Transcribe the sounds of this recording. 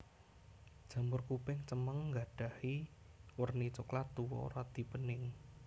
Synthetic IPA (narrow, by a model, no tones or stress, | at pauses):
d̥ʒ̥ä̤mbʊrkupɪŋt͡ʃəməŋːɡaɖ̥a̤hiwərnit͡ʃʊklat̪uwɔ̰ɾad̪̥i̤pənɪŋ